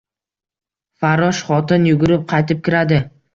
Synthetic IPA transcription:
faɾɒʃχɒt̪ɪnjʊɡʊɾɪp̚qʰɑjt̪ɪp̚kʲɪɾad̪ɪ

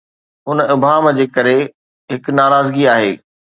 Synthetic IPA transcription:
ɦʊnɪbʱaːmd͡ʑeːkɐɾe | ɦɪknaːɾaːzɡiaːɦḛː

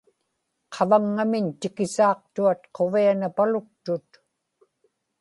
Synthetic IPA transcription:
qʰɑvaŋːamɪnt̪ɪkɪsɑːq̚t̪uat̪̚qʰo̞vianapalʊk̚t̪ʊt̪

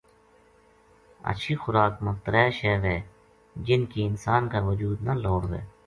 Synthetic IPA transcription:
ə̰ʃʰixʊɾaːkmʊft̪əɾɛːʃɛːʋɦɛː | d͡ʒɪnkiɪnsaːnkaʋʊd͡ʒuːd̪naloːɽʋɛ̰ː

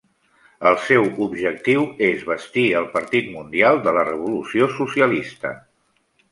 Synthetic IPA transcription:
əlˠsɛwubʒək̚t̪iwezβəst̪iəlˠpəɾt̪it̪mund̪ialˠd̪ələrəβ̞ulusiosusiəlist̪ə̰

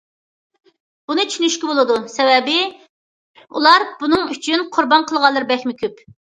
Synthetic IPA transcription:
b̥unɨt͡ʃʰynyʃkʲibolˠɨd̪usɛvɛbɪ | ṵlˠɑɾbunɨŋyt͡ʃʰynqʰʊɾbɑnqʰəlˠʁɑlˠːɨɾbɛxmɪkʲʰyp

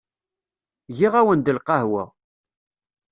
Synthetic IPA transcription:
ʝiʁæwənd̪əlqɑhwæ̰

